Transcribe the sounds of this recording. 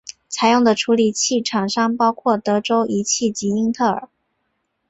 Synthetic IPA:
t͡sʰa˧˥ɪjʊ˥˩ŋd̪ə˩ʈ͡ʂʰu˧˥li˨˩t͡ɕʰi˥˩ʈ͡ʂʰɑ˨˩ŋʂɑ˥ŋpɑ˥ʊkʰwɔ˥˩t̪ɤ˧˥ʈ͡ʂo˥ʊʔi˧˥t͡ɕʰi˥˩t͡ɕi˧˥i˥ŋt̪ʰɤ˥˩ə̰˞˨˩˦

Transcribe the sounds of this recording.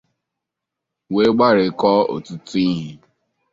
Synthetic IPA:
we˦ɡ͡ba˦ɾɪ˨˦kɔ˦o̰˨tʊ˦tʊ˦i˦ɦi˨

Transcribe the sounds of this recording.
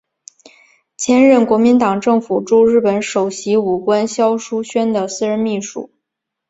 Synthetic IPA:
t͡ɕʰjɛ˥nɻə˥˩nkwɔ˧˥mi˧˥nt̪ɑ˨˩ŋʈ͡ʂɤ˥˩ŋfu˨˩ʈ͡ʂu˥˧ɻɻ̩˥˩pə˧˥nʂo˨˩ʊɕi˧˥u˨˩kwa˥nɕjɑ˥ʊʂu˥ɕɥɛ˥nd̪ə˨sɹ̩˥˧ɻə˧˥nmi˥˩ʂṵ˨˩˦

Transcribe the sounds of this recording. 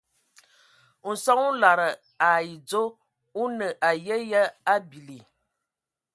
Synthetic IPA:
n̩˨sa˦ŋu˦la˨ɾə˨ | a˨ji˨d͡zo˦ | u˦nə˨ʔa˨jə˦jə˦a˦bi˨li˨

